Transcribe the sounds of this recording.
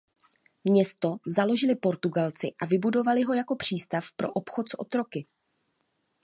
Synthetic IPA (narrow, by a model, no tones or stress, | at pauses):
mɲɛst̪o̞zalo̞ʒɪlɪpo̞ɾt̪uɡalt͡sɪ̰ʔavɪbudo̞valɪɦo̞jako̞pr̝̥iːst̪afpɾo̞̰ʔopxo̞t̪sʔo̞̰t̪ɾo̞kɪ